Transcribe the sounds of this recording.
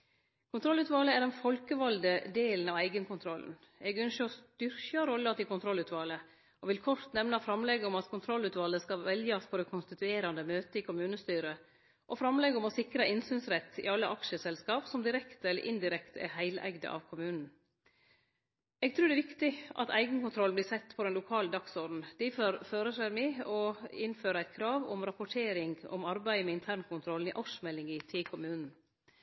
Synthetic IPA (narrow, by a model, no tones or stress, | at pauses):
kʰʊnt̪ʰɾɔlʉːt̪ʋɑːləæɾɖɛnfɔlkəʋɑld̪əd̪eːln̩ɑʋæɪɡənkʊnt̪ʰɾɔln̩ | ɛɡœnʃəɔst̪ʏɾçɑɾɔlːəɑt̪ɪkʊnt̪ʰɾɔlʉːt̪ʋɑːlə | ɔʋɪlkʰɔɾt̪nɛʋnɑfɾɑmlɛɡəɔmɑt̪kʰʊnt̪ʰɾɔlʉːt̪ʋɑːləskɑʋɛljɑspʰɔd̪ɛkʰʊnst̪ɪt̪ʉeːɾɑnd̪əmøːt̪əɪkʰʊmʉːnəst̪yːɾə | ʔɔfɾɑmlɛɡɔmɔsɪkɾɑʔɪnsyːnsɾɛt̪ʰːɪ̰ɑlːəʔɑkʂəsɛlskɑːpsɔmd̪ɪɾɛkt̪ɛlːə̰ɾʔɪnd̪ɪɾɛkt̪ɛ̰ɾhæɪlʔæ̰ɡd̪ə̰ʔɑ̰ʋkʰʊmʉːnn̩ | ɛɡ̚t̪ʰɾʉːɖɛːʋɪkt̪ɪʔɑ̰t̪ʰæ̰ɪɡən̩kʊnt̪ʰɾɔlnbliːsɛt̪ːpʰɔd̪ɛnlʊkʰɑːləd̪ɑksɔɾɖn̩d̪̥iføɾføːɾəʂæɾmɪɔɪnføːɾəæɪt̪̚kʰɾɑːʋɔ̰mɾɑpʊʈʰeːɾɪŋɡɔ̰mɑɾbæɪəmɛɪnt̪ʰæːɾɳkʰʊnt̪ʰɾɔln̩ɪ̰ʔɑkʂmɛlːɪŋɪt̪ʰɪkʰʊmʉːnn̩